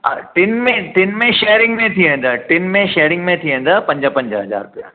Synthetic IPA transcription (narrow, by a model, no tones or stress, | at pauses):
a̰ʈɪnmẽʈɪnmẽʃeːəɾɪ̃ŋɡmẽt̪ʰiɦẽːn̆d̪aʈɪnmẽʃeːɾɪ̃ŋɡmẽt̪ʰiɦẽːn̆d̪apɐ̃ɲd͡ʑəpɐ̃ɲd͡ʑəɦɐza̰ːɾʊpija̰